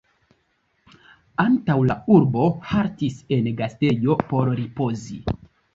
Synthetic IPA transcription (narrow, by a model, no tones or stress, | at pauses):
antawlauɾbo̞haɾtise̞nɡaste̞jo̞po̞ɾɾipo̞zi